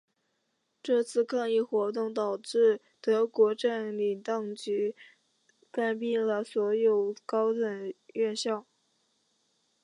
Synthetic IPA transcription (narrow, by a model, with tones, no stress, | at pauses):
ʈ͡ʂɤ˥˧t͡sʰɹ̩˥˧kʰɑ˥˧ŋi˥˩˧xwɔ˧˥t̪̬ʊ˥˩ŋt̪ɑ˨˩ʊʈ͡ʂɻ̩˥˩ | t̪ɤ˧˥kwɔ˧˥ʈ͡ʂə˥˩ŋli˨˩t̪ɑ˥˩ŋt͡ɕy˧˥ | ka˥˧npi˥˩nlə˩swɔ˧˥jo˨˩ʊkɑ˥ʊt̪ə˨˩nɥɛ˥˧nɕjɑ˥˩ʊ